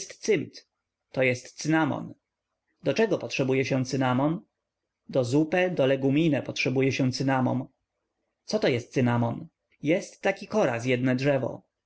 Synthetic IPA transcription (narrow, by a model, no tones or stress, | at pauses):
st̪sɘmt̪ | t̪ːɔjɛst̪sɘnamɔ̰n | d̪ɔt͡ʂɛɡɔpɔtʂɛbujɛɕɛ̃t̪sɘnamɔn | d̪ɔzupɛd̪ɔlɛɡumʲinɛpɔtʂɛbujɛɕɛ̃t̪sɘnamɔ̰m | t̪sɔt̪ɔjɛst̪̚sɨnamɔn | jɛst̪ːakʲikɔɾa̰sjɛd̪nɛdʐɛvɔ̰